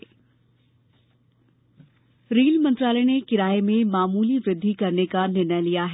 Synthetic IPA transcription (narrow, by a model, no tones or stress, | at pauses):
ɾiːlmɐ̃nt̪ɾaːleñekɪɾaːemẽmaːmuːliʋɾɪd̪ʱːikɐɾnekanɪnəlijaːɦ